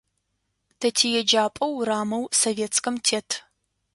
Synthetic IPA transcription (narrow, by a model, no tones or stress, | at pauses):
tʰɐtʰiːjɛd͡ʒaːpʼɐwraːmɐwsoveːt͡skʰɐmtʰeːtʰ